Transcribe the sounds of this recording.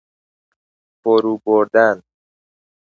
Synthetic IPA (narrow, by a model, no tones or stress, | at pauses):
fɔɾuboɾd̪an